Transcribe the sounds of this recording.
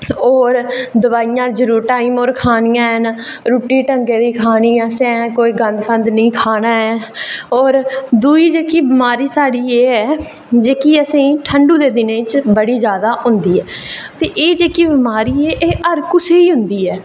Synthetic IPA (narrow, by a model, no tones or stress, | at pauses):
ɔːɾd̪əʋaːijãːd͡ʒəɾuːɾʈaːiːmoːɾkʰaːnijãːən | ɾuːʈiːʈəŋɡeːd̪iːkʰaːniːãːsɛ̃ːkoːiːɡə̃nd̪pʰə̃nd̪nəĩːkʰaːnaːɛːɔːɾd̪uːiːd͡ʒeːkiːbɪmaːɾiːsaːɽiːeːɛː | d͡ʒeːkiːəsĩʈʰəɳɖũːd̪eːd̪ɪnẽːt͡ʃbəɽiːd͡ʒjaːd̪aːɦʊnd̪iːɛːt̪eːʔeːd͡ʒeːkiːbɪmaːɾiːɛːʔeːʔəɾkʊseːiːɦʊnd̪iːɛː